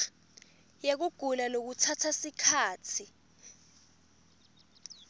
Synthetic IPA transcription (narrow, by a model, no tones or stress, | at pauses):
jek̬uɡ̥ʱunanok̬utʰatʰasikʰaːt͡sʰi